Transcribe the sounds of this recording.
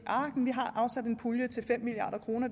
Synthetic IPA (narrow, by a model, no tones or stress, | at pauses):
ʔɑ̈ːɡ̥n̩ʋiɦɑ̈ʔɑ̈ʊsæd̥e̝npʰuljət͡sʰe̝lfem̰miliɑ̈ːd̥ɐkʰʁo̝ːnɐ